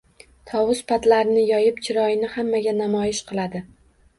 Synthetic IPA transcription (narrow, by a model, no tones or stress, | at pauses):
t̪ʰɒwʊspat̪laɾɪnɪjɒjɪpt͡ʃʰɪɾɒjɪnɪhamːaɡʲanamɒjɪʃqʰɨlˠad̪ɪ